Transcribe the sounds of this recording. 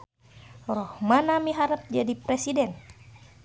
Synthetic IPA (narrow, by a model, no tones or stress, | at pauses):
rɔhmanamiɦaɾəp̚d͡ʒadipɾɛsidɛn